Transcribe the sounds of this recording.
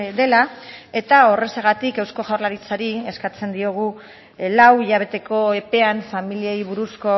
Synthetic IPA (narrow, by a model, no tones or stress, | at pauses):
d̪e̞lae̞t̪ao̞re̞seɣ̞at̪ikewsko̞ʝawɾlaɾit͡saɾie̞skat͡se̞nd̪io̞ɣ̞u | lawiʎaβ̞e̞t̪e̞ko̞e̞pe̞anfamiliejβ̞uɾusko̞